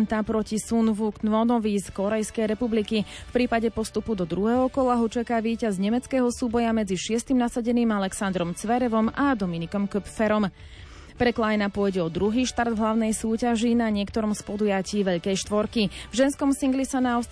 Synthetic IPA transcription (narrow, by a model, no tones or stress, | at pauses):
nt̪apɾɔcisunvuk̪nʋɔnɔʋiːskɔɾɛjskɛjɾɛpublikifpɾiːpaɟɛpɔst̪upud̪ɔd̪ɾuɦɛːɦɔkɔlaɦɔt͡ʃakaːʋiːcazɲɛmɛt͡skɛːɦɔsuːbɔjamɛd͡ziʃɪɛst̪imnasaɟɛniːmalɛksand̪ɾɔmt͡sʋɛɾɛʋɔmʔad̪ɔminikɔmkɔpfɛɾɔm | pɾɛklajnapʊɔjɟɛɔd̪ɾuɦiːʃt̪aɾd̪vɦlaʊnɛjsuːcaʒinaɲɪɛkt̪ɔɾɔmspɔd̪ujaciːʋɛʎkɛjʃt̪ʋɔɾkivʒɛnskɔmsiŋɡlisanaɔs